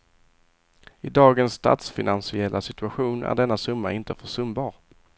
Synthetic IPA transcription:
ɪd̪ɑːɡənsːt̪ʰa̰t̪sfɪnansɪɛlʔasɪt̪ɵaɧuːnʔæ̰ɾɖɛnːasɵmːa̰ɪnt̪əfœʂɵmbɑːɾ

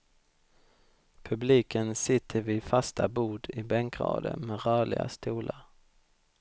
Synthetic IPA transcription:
pʰɵbliːkənsɪt̪ʰːəɾvɪfast̪ʰabuːd̪ɪbɛŋkɾɑ̰ːd̪ə̰mɛɾœːɭɪɡa̰st̪uːlaɾ

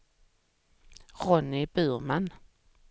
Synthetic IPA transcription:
ɾɔnɪbʉːɾman

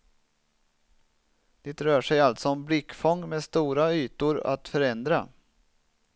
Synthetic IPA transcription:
d̪̥ɛt̪ɾœːʂɛjalt̪sɔɔmblɪkːfɔŋːmeːst̪uːɾayːt̪ʊɾa̰t̪fœɾɛnd̪ɾa̰

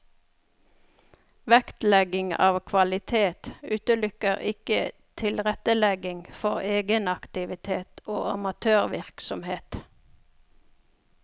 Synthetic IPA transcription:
ʋækt̪lɛɡɪŋɑ̰ːʋkʰʋɑlɪt̪ʰeːt̪ʉːt̪əlʏkəʁɪkə | t̪ʰɪlʁɛt̪əlɛɡɪŋfɔʁeːɡənɑkt̪ɪʋɪt̪ʰeːt̪oːɑmɑt̪ʰøːʁʋɪʁksɔmheːt̪

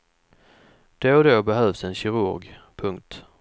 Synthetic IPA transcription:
d̪̥ed̪obɛɦœːvsɛnɕɪɾʊ̰ɾɡpʰɵŋk̚t̪

